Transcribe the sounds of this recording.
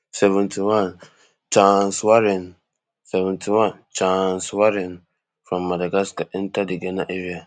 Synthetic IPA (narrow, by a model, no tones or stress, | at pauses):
sɛvɛ̃ntʰiwãn | t͡ʃãnswaɾɪ̃n | sɛvɛ̃ntʰiwãnt͡ʃãnswaɾɪ̃n | fɾãmːadaɡaskan̩tʰadɪɡɛnãʔeɾia